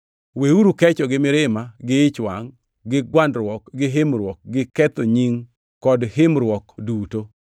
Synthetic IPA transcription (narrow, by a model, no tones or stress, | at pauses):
weuɾukɛt͡ʃɔɡɪmɪɾɪmaɡɪɪt͡ʃwa̰ŋ | ɡɪɡwandɾwɔkɡɪɦɪmɾwɔk̚ɡɪkɛt̪oɲiŋ | kɔdɦɪmɾwɔkduto